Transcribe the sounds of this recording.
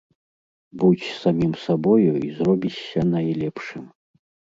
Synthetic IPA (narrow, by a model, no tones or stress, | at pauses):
but͡sʲsamʲimsabɔjuizrɔbʲit͡ɕːɐnɐjlʲɛpʂɨm